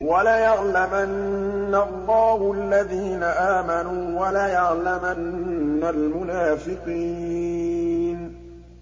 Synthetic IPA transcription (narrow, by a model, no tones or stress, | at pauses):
walajɑʕlamanːalˤːɑːhʊalːaðiːnaʔaːmanuːwalajɑʕlamanːalmʊnaːfɪqiː | n